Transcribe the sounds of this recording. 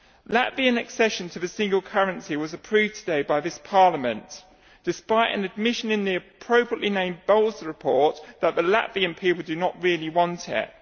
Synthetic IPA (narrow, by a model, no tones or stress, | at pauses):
la̰ʔviə̃nəksɛʃə̃ntʰəəsɪ̃ŋɡəlˠkʰʌɹə̃nsiwɒzəpʰɹ̥ʉːvtʰədeɪbaɪðɪspʰɑːˑləmə̃n | d̥ɪspaɪtə̰̃nəd̚mɪʃə̃nɪ̃nðiəpʰɹ̥əʊpɹəʔlinẽɪ̃mbɛlˠzɹɪpʰɔˑʔðəʔðəla̰ʔviə̃npʰiˑplˠdənəʔɹɪəliwɒ̃ntʰɪ̰t̚